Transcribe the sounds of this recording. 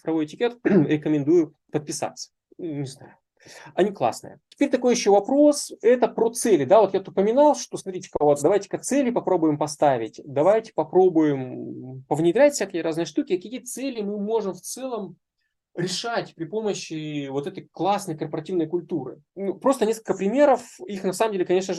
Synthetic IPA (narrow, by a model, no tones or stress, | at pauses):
fɾɐvo̞jɪtʲɪkʲet̪ɾʲɪkəmʲɪnd̪ujʊ | pət̪̚pʲɪsa̰t̪sːə̥ | unʲɪzna̰jʊ | ɐnʲiklˠa̰snɨ̰jə̰tʲɪ̥pʲeɾʲt̪ɐko̞jɪɕːovɐpɾo̞sɛt̪əpɾot̪sɛlʲɪd̪avo̞t̪jat̪ʊpəmʲɪnalˠʂt̪osmɐt̪ɾʲitʲɪ̥kəvot̪̚d̪ɐvajtʲɪ̥kɐt̪sɛlʲɪpɐpɾo̞bʊjɪmpɐst̪avʲɪtʲd̪ɐvajtʲɪ̥pɐpɾo̞bʊjɪmpəvnʲɪd̪ɾʲætʲfʲsʲakʲɪjəɾaznɨjəʂt̪ukʲɪkɐkʲiit̪sɛlʲɪmɨmo̞ʐɨmft̪sɛlˠəm | ɾʲɪʂatʲpɾʲɪpoməɕːɪvo̞t̪ɛt̪əjklˠasnəjkərpəɾɐtʲivnəjkʊlʲt̪uɾɨ̰ | nupɾo̞st̪ənʲe̞skəlʲkəpɾʲɪmʲe̞ɾəfixnɐsaməmdʲelʲɪkɐnʲeʂnəʐ